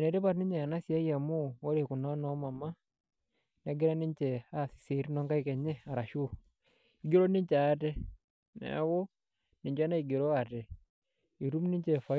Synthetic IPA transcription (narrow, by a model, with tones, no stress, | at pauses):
nɛ˨te˦βa˨tni˦ɲa˨a˨na˦sja˦ia˨mo˦wo˦ɾe˨ku˨na˦na˦ma˨ma˦ | na˨ɡe˦ɾa˦ni˦ɲt͡ʃɛ˨asi̥˨se˨ɾi˦nɔ˦ŋɡa˦ikɛ˨ɲɛ˦a˨ɾa˨ʃu˦ | i˨ɡe˦ɾo˦ni˦ɲt͡ʃa˨˦tɛ˦ | na̰˨˦ɣo˦ | ni˨ɲd͡ʒa˦na˦i˨ɡe˨ɾɔ˦a˨te˨ | i˨ɾu˦mni˦ɲt͡ʃɛ˨fa˨